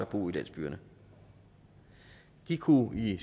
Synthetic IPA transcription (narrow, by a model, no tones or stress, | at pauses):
ɐb̥o̝̰ːilæn̰sb̥y̰ːɐnə | ɡ̥ikʰui